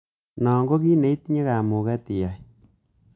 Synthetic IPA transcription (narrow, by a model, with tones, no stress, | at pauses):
nɔ˨ŋɡo˦ki˦ne˨i˦tɲe˦ka˨mu˨kɛ˦ti˨ja˨j